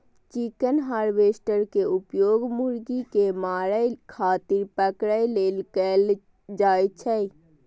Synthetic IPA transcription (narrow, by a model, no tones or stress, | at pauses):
t͡ʃikənɦaːɾʋeːsʈəɾkeʊpjoːɡmuɾɡikemaːɾəjkʰaːt̪ɪɾpəkɽəjleːlkəl | d͡ʒaːjt͡ʃʰəi